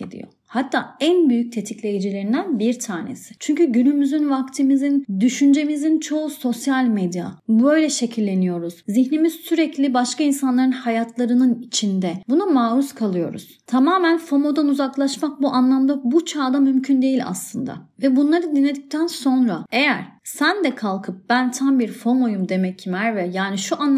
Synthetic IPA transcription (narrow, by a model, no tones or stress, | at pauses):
ed̪ḭjo̞̰hat̪ʰːaːænbyjyc̚t̪ʰe̞t̪ʰiclʲe̞jid͡ʒilʲeɾind̪ænbiɾt̪ʰaːne̞̰si̥t͡ʃʰyɲcyɟynymyzynvakt̪ʰimizind̪yʃynd͡ʒe̞mizint͡ʃʰo̞uso̞sjalʲmed̪ja̰bø̞jlʲɛʃe̞cʰilʲːe̞nijo̞ɾuz̥ziçnimiz̥syɾɛclʲibaʃkainsanlˠaɾɯnhajat̪ʰlˠaɾɯnɯnit͡ʃʰind̪ɛbunamaːɾuskʰalˠɯjo̞ɾṵz̥t̪ʰamaːmænfo̞mo̞d̪anuzaklˠaʃmak̚buʔanlˠamd̪abut͡ʃʰaːd̪amymcʰynd̪e̞jilʲa̰slˠɯnd̪a̰vɛbunlˠaɾɯd̪inlːʲed̪ic̚t̪ʰænso̞nɾae̞jæɾ̥sænd̪ɛkʰalˠkʰɯp̚bænt̪ʰambiɾfo̞mo̞jumd̪e̞mɛcʰːimæɾvɛjaːniʃuʔan